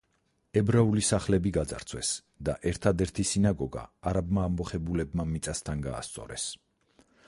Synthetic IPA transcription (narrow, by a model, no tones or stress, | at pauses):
ɛbɾaulisaχlɛbiɡad̪za̰ɾt̪sʰwɛs | d̪aʔɛɾt̪ʰad̪ɛɾt̪ʰisinaɡɔɡa̰aɾabmaːmbɔχɛbulɛbmamit̪sʼast̪ʰanɡa̰ːst̪sʼɔ̰ɾɛ̰s